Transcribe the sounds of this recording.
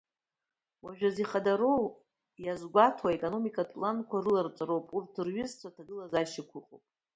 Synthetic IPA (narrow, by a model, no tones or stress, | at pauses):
waʒᶣaziχadaɾow | jazɡʷatʰwaekʼono̞mikʼatʼlankʷarɨlart͡sʷʼaɾowpʼurtʰɨrɥʊzt͡sʷʰatʰaɡɨlazaʃɪkʷʰʊqʼo̰pʼ